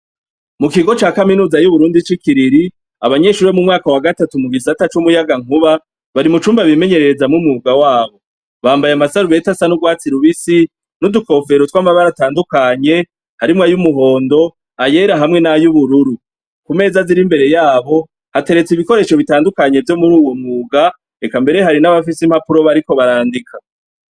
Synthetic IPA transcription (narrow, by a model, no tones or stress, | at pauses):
mukiɡo̞t͡ʃaːkaminuːzajuβuɾuːndit͡ʃikiɾiɾi | aβaɲe̞ʃuːɾemumŋaːkawaɡatatumuɡisatat͡ʃumujaɡaŋ̥uβa | βaɾimut͡ʃuːmbaβime̞ɲe̞ɾe̞ɾezamŋumuɡawaːβo̞ | βaːmbajamasaɾuβe̞tasanuɡwaːt͡siɾuβisi | nuduko̞ːfe̞ɾotwaːmaβaɾataːndukaɲe̞ | haɾimŋajumuɦo̞ːndo̞ | aje̞ɾaɦamŋe̞najuβuɾuɾu | kume̞ːzaziɾimbe̞ɾe̞jaːβo̞ | hate̞ɾe̞t͡siβiko̞ɾe̞ʃo̞βitaːndukaɲe̞vjo̞muɾuːwo̞mŋuːɡa | ekambe̞ɾeɦaɾinaβafisim̥hapuɾo̞βaɾiko̞βaɾaːndikʰa